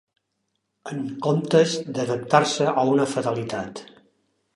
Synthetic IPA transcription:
əŋkomt̪əzd̪əðəp̚t̪aɾsəʔəunəfəðəlit̪at̪

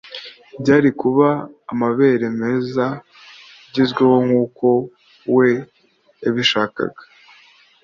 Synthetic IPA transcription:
bɟaːɾikuβaːmaβe̞ɾe̞me̞ːza | ɟizɡwewo̞ŋuːko̞ | we̞ | aβiʃaːka̰ɡḁ

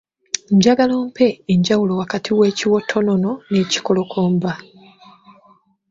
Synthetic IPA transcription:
ɲɟaɡalo̞ːmpʰe̞ːɲɟawulo̞wakatʰiwe̞ːciwo̞tʰːo̞no̞no̞ne̞ːci̥ko̞lo̞kʰo̞ːmba

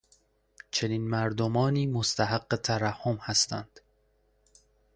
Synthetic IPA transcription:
t͡ʃʰe̞niːnmæɾd̪omɒːniːmost̪ʰæɦæɡːet̪ʰæɾæhːomhæst̪ʰænd̪̥

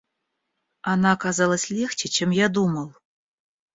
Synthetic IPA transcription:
ɑnɑkɑzɑlˠə̆sʲlʲext͡ɕɘ̆t͡ɕĕmjɑd̪umɤ̆lˠ

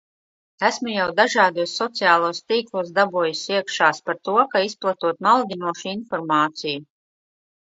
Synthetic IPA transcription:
æsmujawd̪aʒɑːd̪uɔsːɔt̪sijaːlˠuːst̪iːklˠuɔsd̪abuɔjisʲiɛkʃaːspaɾt̪uɔkaisplˠat̪uɔt̪malɡ̪ʲinuɔʃinfɔɾmaːt̪siju

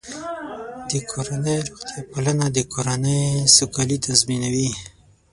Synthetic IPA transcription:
d̪əkʰoɾanəjɾuxt̪jɑpalanad̪əkʰoɾanəjsokɑlit̪azminawi

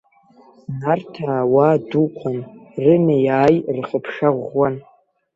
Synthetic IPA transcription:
nartʰaːwaːduqʷʰanrɨnejaːjrχəpʰʂaʁwan

